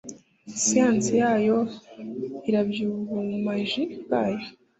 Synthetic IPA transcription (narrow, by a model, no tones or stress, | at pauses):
sijansijaːjo̞ | iɾabjuɾuumaʒiɡaːjo